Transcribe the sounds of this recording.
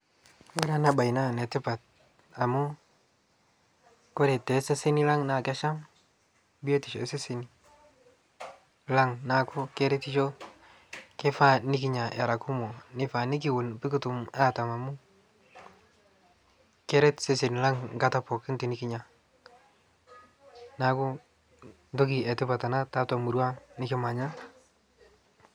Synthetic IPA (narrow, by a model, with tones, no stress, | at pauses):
we˦ɾa˦na˦ba˨jna˦ne˨tɪ˦pa˨t̚ | a˨mʊ˦ | ko˦ɾe˨te˨se˦se˦ni˦la˦ŋna˨ke˦ʃa˦m | bi˦o˦ti˨ʃe˨se˦si˦ni˨ | la˦ŋna˨kʊ˦ke˦ɾe˦ti˦ʃo˦ | ke˦fa˦ni˦k̬i˦ɲa˨ʔa˨ɾa˨ku˦mo˨nɪ˦fa˨nɪ˦k̬ɪ˦˨wʊ˨npɪ˦kʊ˦tu˨ma˦ta˨ma˨mʊ˦ | kɛ˦ɾɛ˦tse˦se˨n˨la˦ŋŋɡa˦ta˦˨pɔ˨kɪ˦nti˨nɪ˦kɪ˦ɲa˨ | na˦kʊ˦ | ndo˦ki˨ɛ˨tɪ˦pa˨ta˨na˦ta˦ta˨mu˨ɾwa˦nɪ˦ke˦ma˨ɲa˦